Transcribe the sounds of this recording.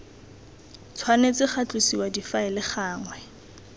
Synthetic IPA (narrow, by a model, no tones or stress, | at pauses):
t͡sʰwanet͡sɪχat͡ɬʼusiwadifaɪlɪχaːŋwɛ